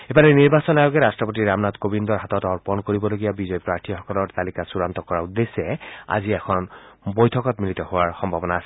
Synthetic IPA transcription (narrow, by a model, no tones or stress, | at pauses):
ebanɛniɹbasɔnajoɡɛɹastɹɔpot̬iɹamnatkobindɔɹɦatɔtɔɹpɔnkoɹibɔloɡijabizɔjpɹaɹtʰixɔkɔlɔɹt̪alikasuɹant̪ɔkɔɹaud̪ːesːɛa̰ziɛkʰɔnbojtʰɔkɔtmilitɔhowaɹxɔmbʱabɔnaːsɛ